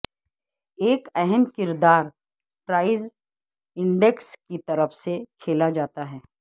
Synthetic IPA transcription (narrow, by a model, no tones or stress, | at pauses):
eːkɛɦɛmkɪɾd̪aːɾ | pɾaːɪz | ɪ̃ɳɖekskit̪ɐɾəfsekʰeːlad͡ʒaːt̪aɦɛː